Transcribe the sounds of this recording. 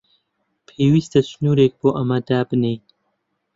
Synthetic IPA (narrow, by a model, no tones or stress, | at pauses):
pʰeːwiːst̪ɐsnuːɾeːk̚b̥oːʔɐmɐd̪aːbɨnejn